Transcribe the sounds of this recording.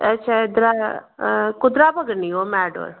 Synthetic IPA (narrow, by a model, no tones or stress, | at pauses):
ɐtːʃʰaɪd̪ɾaː | kʊd̪ɾaːbəɡənioːmɛːɖo̰ːɾ